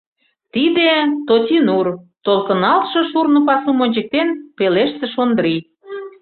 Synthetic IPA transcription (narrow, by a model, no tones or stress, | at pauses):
t̪id̪et̪otʲinurt̪olkə̆nɑlʃɤ̆ʃurnŏpɑsumonʲt͡ɕĕk̚t̪enpeleʃsĕʃond̪ɾi